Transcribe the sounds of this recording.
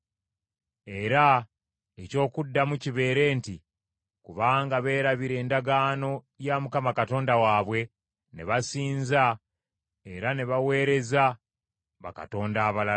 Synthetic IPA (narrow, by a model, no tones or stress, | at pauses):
e̞ɾa | eco̞ːkudːamuciβe̞ːɾe̞ːnti | kuβaːŋɡaβe̞ːɾaβiɾe̞ːndaɡaːno̞ | jamukamakato̞ːndawaːβwe̞ | ne̞̰βasiːnza | e̞ɾane̞βawe̞ːɾe̞za | βa̰ka̰to̞ːndaːβala